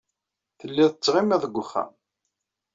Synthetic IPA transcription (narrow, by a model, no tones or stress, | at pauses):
θəlːiðət͡sːʁimiðˤəɡʷːʊχːæ̰m